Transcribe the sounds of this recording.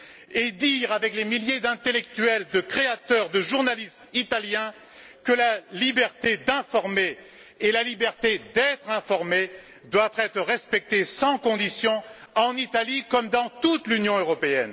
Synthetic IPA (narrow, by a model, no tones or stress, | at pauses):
ed̪iʁavɛklemiljed̪ɛ̃t̪elɛk̚t̪yɛld̪əkχeat̪œʁd̪əʒuʁnalist̪it̪aljɛ̃ | kəlalibɛʁt̪ed̪ɛ̃fɔʁmeː | lalibɛʁt̪ed̪ɛt̪χɛ̃fɔʁme | d̪wavχɛt̪χəʁɛspɛk̚t̪esɑ̃kɔ̃d̪isjɔ̃ɑ̃nit̪alikɔmd̪ɑ̃t̪ut̪lynjɔ̃øʁɔpeɛ̰n